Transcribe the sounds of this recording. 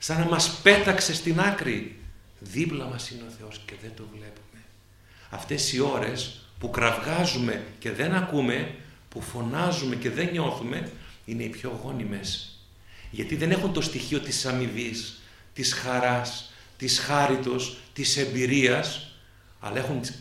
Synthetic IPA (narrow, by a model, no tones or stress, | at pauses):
sɐnɐmɐspe̞t̪ɐkse̞st̪inɐkɾi | ðiplɐmɐsineo̞θe̞o̞sce̞ðe̞nd̪o̞vle̞pume̞ | ɐ̰ft̪e̞sio̞ɾe̞spukɾɐvɣɐzume̞ce̞ðe̞nɐkume̞ | pufo̞nɐzume̞ce̞ðe̞ɲo̞θume̞ine̞ipço̞ɣo̞nime̞s | ʝɐt̪iðe̞ne̞xunt̪o̞st̪içio̞t̪isɐmivis | t̪isxɐɾɐs | t̪isxɐɾit̪o̞st̪ise̞mbiɾiɐs | ɐ̰lɐexun